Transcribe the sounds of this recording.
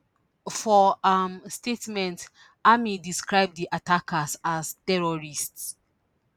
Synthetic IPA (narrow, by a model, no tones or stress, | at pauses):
fɔamstetmɛ̃nt | amidiskɹaɪb̚diʔatʰakʰasastɛɹɔɹists